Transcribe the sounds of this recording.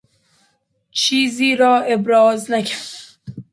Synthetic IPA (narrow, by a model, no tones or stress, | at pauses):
t͡ʃʰiːziːɾɒːebɾɒːznæcʰæ